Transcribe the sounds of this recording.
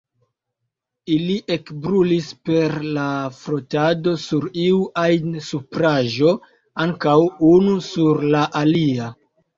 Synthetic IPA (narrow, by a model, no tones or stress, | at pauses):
iliʔe̞kbɾulispe̞ɾlafɾotado̞suɾiuʔajnsupɾaʒo̞ | aŋkawunusuɾlaʔalia